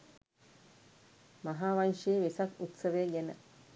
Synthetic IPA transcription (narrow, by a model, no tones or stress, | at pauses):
maɦaːʋanʃeeːʋesakut̪səʋeːɡænə